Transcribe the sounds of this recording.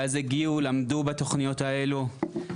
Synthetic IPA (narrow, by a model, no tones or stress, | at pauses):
azeɡiulamdubat̪o̞χnijo̞t̪ae̞lu